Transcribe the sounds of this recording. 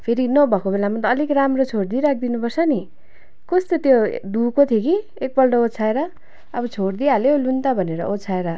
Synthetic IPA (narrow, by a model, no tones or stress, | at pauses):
pʰeɾinʌbʱʌkobelamʌnt̪ʌːlikramrot͡sʰoɽd̪iɾak̚ʰd̪inupʌrsʰʌni | kʌst̪ot̪jod̪ukot̪ʰjoki | ek̚bʌlɖʌot͡sʰaeɾʌ | ʌbʌt͡sʰoɽd̪ialolunt̪abʱʌneɾʌ̰ʔot͡sʰaeɾʌ